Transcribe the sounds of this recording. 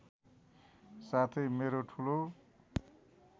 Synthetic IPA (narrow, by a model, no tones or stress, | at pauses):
sat̪ʰʌjmeɾoʈʰulo